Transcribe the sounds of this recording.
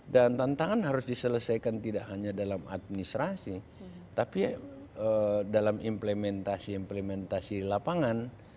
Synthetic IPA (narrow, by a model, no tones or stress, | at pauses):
dant̪ant̪aŋanɦaɾʊsdisələsajkant̪idaʔhaɲadalama̰t̪̚minist̪ɾasi | t̪apiədalamimpləmɛnt̪asiːmpləmɛnt̪asilapaŋan